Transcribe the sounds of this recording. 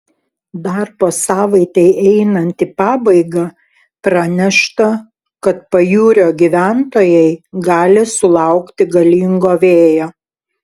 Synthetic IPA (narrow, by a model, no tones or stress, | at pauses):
d̪ɐɾboːsɑːʋɐɪt̪ʲɛɪʔɛɪnɐnʲt̪ʲipɑːbɐɪɡɐ | pɾɐnʲɛʃt̪ɐ | kɐt̪̚pɐjuːɾʲoːɡʲiʋʲæˑnt̪oːjɛɪɡɑːlʲɪsʊlˠɑʊkt̪ʲɪɡɐlʲiːŋɡoːʋʲeːjoː